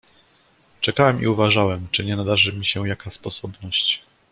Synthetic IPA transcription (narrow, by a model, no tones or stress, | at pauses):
t͡ʂɛkawɛmʔḭuvaʐawɛmt͡ʂɘɲɛnad̪aʐɘmʲiɕɛjakaspɔsɔbnɔɕt͡ɕ